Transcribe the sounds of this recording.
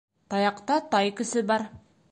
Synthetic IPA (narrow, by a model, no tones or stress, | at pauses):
t̪ɑjɑqt̪ɑt̪ɑjkɘ̆sɘbɑɾ